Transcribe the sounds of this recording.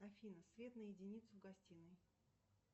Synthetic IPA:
ɐfʲinəsvʲe̞t̪nəjɪdʲɪnʲit̪sʊɡɐsʲtʲinɨj

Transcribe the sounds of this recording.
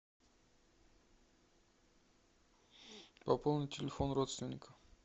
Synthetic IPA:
pɐpolˠnəjt̪ʲʰɪlʲɪfonɾot̪st̪vʲɪnʲːɪkə̥

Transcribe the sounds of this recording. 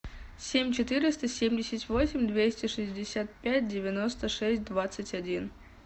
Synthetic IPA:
sʲemʲt͡ɕɪt̪ɨɾʲɪst̪əsʲemʲdʲɪsʲɪtʲvosʲɪmʲd̪vʲesʲtʲɪʂɨzʲdʲɪsʲat̪̚pʲæt̚ʲdʲɪvʲɪnost̪əʂɛsʲt̚ʲd̪vat̪sɨtʲɐdʲin

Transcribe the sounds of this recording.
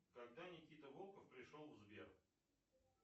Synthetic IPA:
kɐɡ̚d̪anʲɪkʲit̪əvolˠkəfpɾʲɪʂlˠolˠvzbʲer

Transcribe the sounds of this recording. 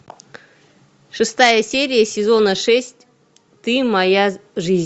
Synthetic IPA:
ʂɨst̪ajəsʲeɾʲɪjəsʲɪzo̞nəʂɛsʲtʲ | t̪ɨmɐjaʐɨzʲ

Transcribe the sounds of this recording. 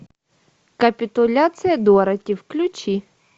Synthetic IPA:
kɐpʲit̪ʊlʲat͡s̪ɨjɐd̪ɔɾɐtʲiwklʲʊt͡ʃi

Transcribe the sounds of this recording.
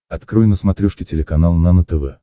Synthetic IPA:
ɐt̪kɾɔjnəsmɐt̪ɾʲuʂkʲɪtʲɪlʲɪkɐnalˠnanət̪ɛvɛ̰

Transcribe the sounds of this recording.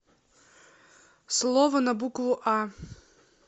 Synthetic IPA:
slˠɔvɐnɐbukvʊʔa

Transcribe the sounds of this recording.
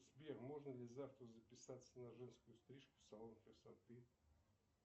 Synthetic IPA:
zbʲermo̞ʐnəlʲɪzaft̪ɾəzəpʲɪsat̪sːənɐʐɛnskʊjʊst̪ɾʲiʂkʊ̥sɐlˠonkʲɪsɐt̪ɨ

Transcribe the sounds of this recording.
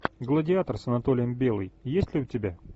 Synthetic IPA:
ɡlˠədʲɪat̪ərsənɐt̪o̞lʲɪjəmbʲe̞lˠɨjjesʲtʲlʲɪʊtʲɪbʲa

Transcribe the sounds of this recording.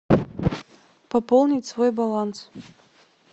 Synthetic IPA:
papolˠnʲitʲsvo̞jbalˠans

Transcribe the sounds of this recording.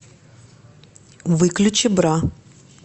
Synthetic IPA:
vɨklʲʊt͡ɕɪbɾa

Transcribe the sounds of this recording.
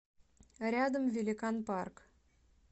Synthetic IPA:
ɾʲɑd̪əmvʲelʲikɑnpɑrk

